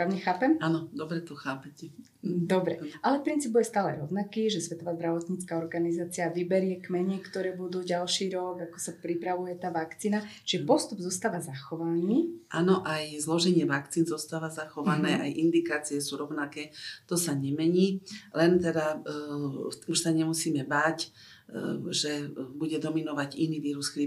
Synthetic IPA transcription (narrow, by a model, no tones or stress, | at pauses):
ɾaːʊɲɛxaːpɛmanɔd̪ɔbɾɛt̪ɔxaːpɛcɛ | d̪ɔbɾɛʔalɛpɾint͡siːbujɛst̪aːlɛ̰ɾɔʊnakiːʒɛsʋɛt̪ɔʋaːzd̪ɾaʋɔt̪ɲiːt͡skaɔɾɡanizaːt͡siaʋibɛɾɪɛkmɛɲɛkt̪ɔɾɛːbud̪uːɟalʃiːɾɔɡakɔ̥sapɾipɾaʋujɛt̪aːʋakt͡siːnat͡ʃiʒɛpɔst̪ubzuːst̪aːʋazaxɔʋaniːʔanɔʔajzlɔʒɛɲɪɛʋakt͡siːnzɔst̪aːʋazaxɔʋanɛːʔajʔind̪ikaːt͡siɛsuːɾɔʊnakɛːt̪ɔsaɲɛmɛɲiːlɛnt̪ɛd̪a | uʃsaɲɛmusiːmɛbac | ʒɛbuɟɛd̪ɔminɔʋaɟiniːʋiːɾuskɾi